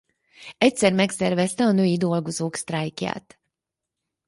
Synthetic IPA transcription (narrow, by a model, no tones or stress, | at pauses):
ɛc̚sɛrmɛksɛrvɛst̪ɛɒnøːjid̪o̞lɡo̞zoːkst̪rajkja̰ːt̪